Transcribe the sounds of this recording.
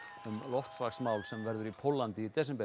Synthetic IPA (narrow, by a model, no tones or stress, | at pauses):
ʏmlɔft̪svaksmaːwlsɛmvɛɾðʏɾipʰowlːant̪ɪit̪ɛsɛmpɛ